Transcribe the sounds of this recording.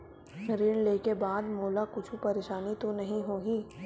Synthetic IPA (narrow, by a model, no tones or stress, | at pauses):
ɾɪɳleːkebaːd̪moːlakʊt͡ʃʰupɐɾeːʃaːnit̪onɐɦĩɦoːɡiː